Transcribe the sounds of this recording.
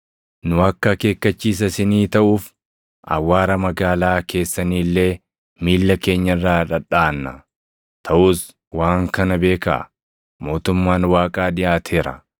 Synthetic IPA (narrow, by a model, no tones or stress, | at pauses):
nʊɐkːɐke̞ːkːɐt͡ʃːiːs̬ɐsɪniːt̪ɐʔuːf | ʔɐ̰wːaːɾɐmɐɡaːlaːke̞ːsːɐniːlːe̞ː | miːlːɐke̞ːɲːɐrːaːᶑɐᶑaːnːɐ | t̪ʰɐʔuːs | waːŋkɐnɐbe̞ːkɐ̰ | mo̞ːt̪ʊmːaːnwaːkʼaːd̪ɪʔaːt̪ʰe̞ːɾɐ̰